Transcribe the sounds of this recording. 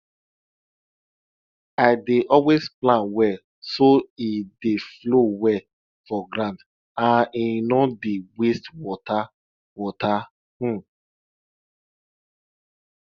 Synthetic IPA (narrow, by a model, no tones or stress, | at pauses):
aɪdeʔɔwesplãnwɛ | soideflowɛ | fɔɡɾãnt | ãninɔdewestwɔta | wɔta | hũ